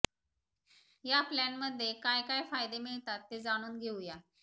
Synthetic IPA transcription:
japlɛnməd̪ʱːjekajkajfajd̪emɪɭt̪at̪ːed͡zaɽ̃uːnɡʱeuja

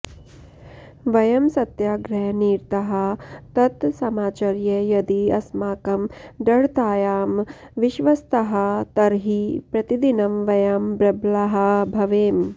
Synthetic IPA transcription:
ʋɐjɐmsɐt̪jaːɡɾɐɦɐniːɾt̪ɐɦɐt̪ɐt̪sɐmaːt͡ʃɐɾjɐjɐd̪iɐsmaːkɐmɖ̪ɐɽt̪aːjaːm | ʋiʃʋɐst̪ɐɦɐt̪ɐɾɦipɾɐt̪id̪inɐmʋɐjaːmbɾɐblɐɦɐbʱɐʋeːm

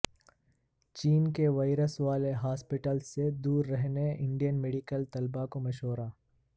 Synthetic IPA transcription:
t͡ʃiːnkeʋaːɪɾəsʋaːleɦaːspɪʈəlsːed̪uːɾːɛɦneɪ̃ɳɖijənmeːɖikəlt̪ɐlbakomɐʃɦoːɾaː

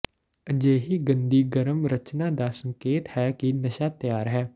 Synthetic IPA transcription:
əd͡ʒeːɦiːɡənd̪iːɡəɾəmɾət͡ʃnaːd̪aːsə̃ŋkeːt̪hɛːkinəʃaːt̪jaːɾɦɛː

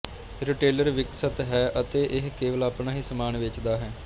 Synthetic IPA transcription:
ɾɪʈeːləɾʋɪksət̪ɦɛːʔət̪eːʔɪɦkeːʋəlaːpnaːɦiːsəmaːnʋɪt͡ʃd̪aːɦɛː

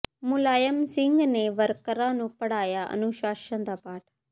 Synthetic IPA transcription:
mʊlaːjəmsɪ̃ŋɡneʋəɾkəɾãːnũːpəɽ̤aːjaːʔə̰nuʃaːʃãd̪aːpaːʈ

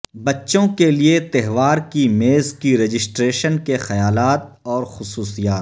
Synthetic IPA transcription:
bɐtːʃõkeliet̪ɛɦʋaːɾkimeːzkiɾeːd͡ʒɪsʈɾeːʃənkexɐjaːlaːt̪̚ | ɔːɾxʊsuːsijaːt̪

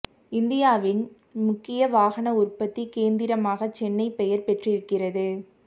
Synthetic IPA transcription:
ɪnd̪ɪjaːʋɪn | mʊkːɪjɐʋaːɣɐnɐʊrpɐt̪ːikeːnd̪ɪɾɐmaːɣɐt͡ʃɛnːɐɪpɛjɐɾpɛʈrɪɾɯkːɪrɐðɯ

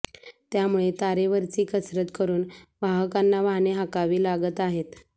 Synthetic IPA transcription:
t̪jamuɭet̪aɾeʋəɾt͡siːkəsɾət̪kəɾuːnʋaɦəkanːaʋaneɦakaʋiːlaɡət̪aɦet̪

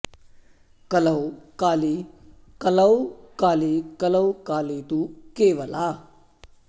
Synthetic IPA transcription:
kələwkaːli | kəlawkaːlikələwkaːlit̪ukeːʋəla

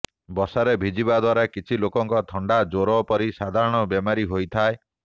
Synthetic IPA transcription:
bɔsaɾebʱid͡ʒibad̪waɾakit͡ʃʰilokɔŋkɔt̪ʰɔɳɖad͡ʒoɾɔpɔɾisad̪ʱaɾɔɽ̃ɔbjemaɾiɦojt̪ʰae

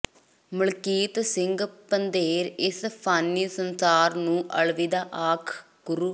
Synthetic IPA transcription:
məɭkiːt̪sɪ̃ŋɡpənd̪eːɾɪspʰaːnːiːsənsaːɾnũːʔəɭʋid̪aːʔaːkʰ | ɡ̥ʊɾuː

